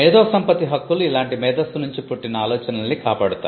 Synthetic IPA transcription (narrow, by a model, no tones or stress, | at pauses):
ɛːd̪oːsɐmpɐt̪iɦɐkːuluilaːɳʈimɛːd̪ɐsunuɲt͡ʃipuʈːinɐaːlɔːt͡ʃɐnɐlːikaːpaːɽut̪aː